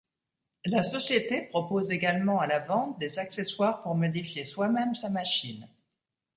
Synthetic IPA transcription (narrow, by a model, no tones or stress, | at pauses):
lasɔsjet̪epχɔpozeɡalmɑ̃alavɑ̃t̪̚d̪ezakseswaʁpuʁmɔd̪ifjeswamɛmsamaʃin